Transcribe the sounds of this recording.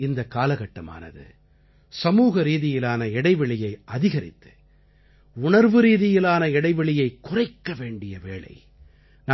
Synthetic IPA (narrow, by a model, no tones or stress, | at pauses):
ɪnd̪ɐkaːlɐɣɐʈːɐma̰ːnɐ̰ðɯ̰ | sɐmuːɣɐɾiːðɪjɪlaːnɐɪɽɐɪʋɐɭɪjɐɪʔɐðɪɣɐɾɪ̰t̪ːɯ̥ | ʊɳɐɾʋɯɾiːðɪjɪlaːnɐɪɽɐɪʋɐɭɪjɐɪkʊrɐɪkːɐʋeːɳɖɪjɐʋeːɭɐ̰ɪ | nː